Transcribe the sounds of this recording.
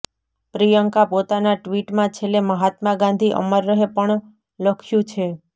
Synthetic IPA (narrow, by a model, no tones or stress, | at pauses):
pɾijəŋkapot̪anaʈʋiʈmãt͡ʃʰeleməɦat̪maɡãnd̪ʱiʔə̰məɾːəɦepəɳ | ləkʰjũt͡ʃʰe